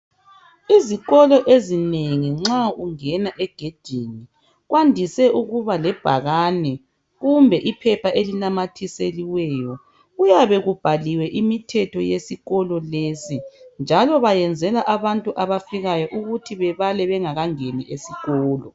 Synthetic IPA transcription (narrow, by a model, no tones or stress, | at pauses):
iziɣɔlɔʔezineŋiŋ͡ǁauŋɛnaʔɛɡ̥ʱed̥ʱini | ɣwandʱisɛuɣuβalɛb̥ʱaɣanɛ | ɣumbʱɛʔipʰɛpʰaʔelinamatʰiseliwɛjɔ | ujaβɛɣub̥ʱaliwɛʔimitʰɛtʰɔjesiɣɔlɔlesind͡ʒʱalɔβajɛnd͡zʱɛlaʔaβantʼuʔaβafiɣajɔʔuɣutʰiβɛβalɛβɛŋaɣaŋeniʔesiɣɔːlɔ